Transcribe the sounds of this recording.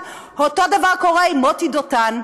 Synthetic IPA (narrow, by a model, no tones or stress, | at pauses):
hot̪od̪avaʁkoʁeimot̪id̪ot̪an